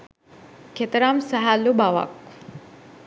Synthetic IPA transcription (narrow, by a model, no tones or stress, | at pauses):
ket̪ɾamsaɦalːubawa̰k